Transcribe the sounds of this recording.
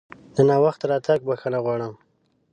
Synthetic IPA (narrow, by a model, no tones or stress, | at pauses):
d̪ənɑwaxt̪aɾɑt̪aɡ̚baxanaɣwɑɽəm